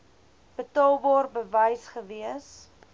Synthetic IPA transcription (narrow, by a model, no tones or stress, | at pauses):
b̥ətɑːlˠbɑːrbəvɐjsχəviəs